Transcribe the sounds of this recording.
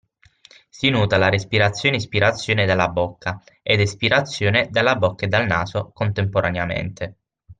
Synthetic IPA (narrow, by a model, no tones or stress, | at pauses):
sinuːt̪alaɾespiɾat̪sjoːneispiɾat̪sːjoːned̪alːabokʰːa | ed̪espiɾat̪sːjoːned̪alːabokːaed̪alna̰ːzokont̪empoɾʔaneamḛnt̪ʰe